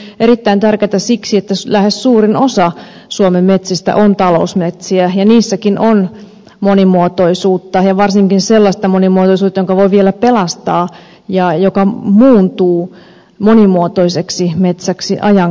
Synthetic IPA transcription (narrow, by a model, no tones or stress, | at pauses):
ʔeɾit̪ːæint̪ærket̪æsiksiet̪ːælæhessuːrinosɑ | suomemːet̪sist̪æ̰ʔont̪ɑlo̰usmet̪siæjɑniːsːækinʔon | monimuot̪oisuːt̪ːɑjɑʋɑrsiŋkinselːɑst̪ɑmonimuot̪oisuːt̪ːɑjoŋkɑʋoiʋielæpelɑst̪ɑː | jɑjokɑmuːnt̪uː | monimuot̪oiseksimet̪sæksiʔɑjɑŋ